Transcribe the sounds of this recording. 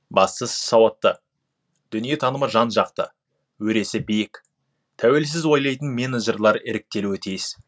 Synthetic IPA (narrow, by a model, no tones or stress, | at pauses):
bɑst̪əssɑwɑt̪ːə | d̪̥ʏnije̞t̪ʰɑnəməʒɑnʒɑq̚t̪ə̰ | wɵɾe̞sɪbijɪk | t̪ʰæwe̞ls̬ɪzwo̞jlˠɑjt̪ənmʲeneʒerlˠɑɾɪɾɪk̚t̪e̞luwt̪ʰijɪz̥